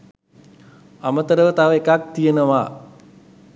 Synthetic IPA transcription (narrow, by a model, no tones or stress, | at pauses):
amət̪əɾəʋət̪aʋəekak̚t̪ijənəʋaː